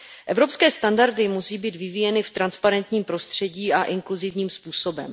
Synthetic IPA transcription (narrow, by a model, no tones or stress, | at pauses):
ʔɛvɾo̞pskɛːst̪andaɾdɪmusiːbiːt̪vɪvijɛnɪft̪ɾanspaɾɛnt̪ɲiːmpɾo̞st̪r̝̥ɛɟiːʔaʔɪŋkluzɪvɲiːmspuːso̞bɛ̰m